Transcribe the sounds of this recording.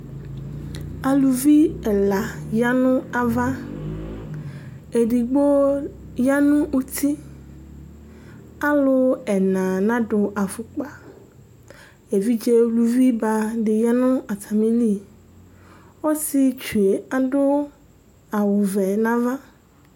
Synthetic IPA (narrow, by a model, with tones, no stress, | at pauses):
a˨lu˨vi˦ɛ˨la˨ja˦nũ˦a˨va˦ | e˨ɖi˨ɡ͡bo˦ | ja˦nũ˦u˦t̪ʰi˦ | a˦lo˦ɛ˨nã˨nã˦ɖʊ˨ʔa˨fʊ˨k͡pa˨ | e˨vi˦d͡ʒe˦lu˨vi˦ba˨ɖɪ˨ja˦nũ˦a˨t̪ʰa˨mĩ˦li˦ | wo˦si˦t͡ʃu˨e˨a˨ɖʊ˦ | a˨wu˨vɛ˨nã˦va˦